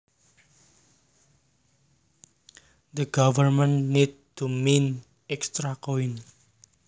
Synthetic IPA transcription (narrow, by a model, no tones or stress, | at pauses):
d̪əɡavərmənnid̚t̪umin | ɛkst̪ɾakoin